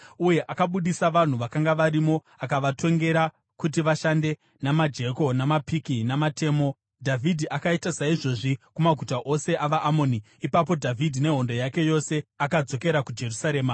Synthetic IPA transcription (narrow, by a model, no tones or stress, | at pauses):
uje̞ʔakaɓuɗisaʋan̤uʋakaŋɡaʋaɾimo̞ | akaʋatʰo̞ŋɡe̞ɾa | kutiʋaʃande̞ | namad͡ʒe̞ko̞namapikinamate̞ːmo̞ | dʱavʱidʱiʔakaitasaiʐo̞ʐikumaɡʱutaʔo̞se̞ʔaʋaʔːmo̞ni | ipap̬o̞dʱavʱidʱine̞ɦo̞ndo̞jake̞jo̞se̞akad͡zo̞ke̞ɾakud͡ʒe̞rusaɾe̞ːma